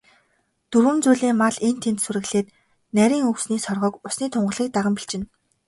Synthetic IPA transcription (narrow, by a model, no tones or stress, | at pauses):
t̪uɾwɘ̆mt͡suːɮiːŋmaɮent̪ʰent̪suɾɘ̆ɣɮeːt̪ | næɾʲiːŋɵksniːsɔrʁɞ̆ːkʊsniːt̪ʰʊɴɢə̆ɮiːk̚t̪aʁə̆mpiɬt͡ɕɪ̆n